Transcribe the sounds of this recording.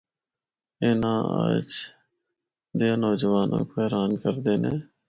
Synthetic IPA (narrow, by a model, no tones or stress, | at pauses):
ɪnãːə̰d͡ʒ | d̪eaːnɔːd͡ʒʋaːnʔã̰ːkoːɛːɾaːnkəɾd̪eːnḛː